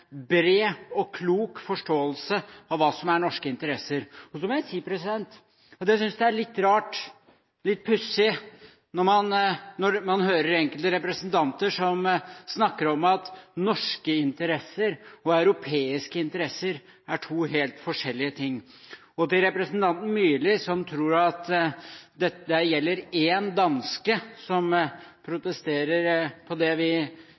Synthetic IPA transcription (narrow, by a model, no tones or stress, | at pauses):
bɾeːɔkʰluːkfɔʂʈoːəlsəɑʋʋɑːsɔmæɳɔʂkəɪnt̪əɾɛsːəɾɔsɔmɔjæɪsiːpʰɾɛsɪd̪ɛnt̪ | ɔt̪jæsʏnsd̪ɛæɭɪt̪ːɾɑːʈ | lɪt̪̚ːpʰʉsːɪ | nɔɾmɑnnɔɾmɑnɦøːɾəɾɛŋkəlt̪əɾɛpɾɛsənt̪ʰɑnt̪əʂɔmsnɑkːəɾɔmɑt̪nɔʂkəɪnt̪əɾɛsːəɾɔɑʉɾʊpʰeːɪskəɪnt̪əɾɛsːəɾ | æʈʰuːɦeːlt̪fɔʂɛlːɪət̪ʰɪŋː | ɔt̪ɪlɾɛpɾɛsnt̪ʰɑnt̪n̩myːlɪsɔmt̪ʰɾuːɾɑt̪ | d̪ɛd̪ɛjɛlːəɾeːnd̪ɑnskəsɔmpʰɾʊt̪əst̪eːɾəɾpʰɔd̪ɛʋɪ